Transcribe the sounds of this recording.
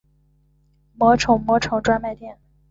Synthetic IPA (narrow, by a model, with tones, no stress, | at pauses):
mwɔ˧˥ʈ͡ʂʰɤ˧˥ŋmwɔ˧˥ʈ͡ʂʰɤ˧˥ŋʈ͡ʂwa˥nma˥˧ɪt̪jɛ˥˩n